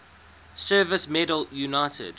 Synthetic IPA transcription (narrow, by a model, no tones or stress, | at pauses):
sɜːvəsmɛdəljunaɪtʰə̰d̥